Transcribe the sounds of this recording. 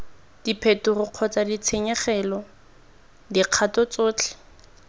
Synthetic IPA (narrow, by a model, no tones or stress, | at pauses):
d̥ipʰetʊrʊq͡χʰɔt͡sadit͡sʰeɲɛχɛlɔ | diq͡χʰatɔt͡soːt͡ɬʰɛ̥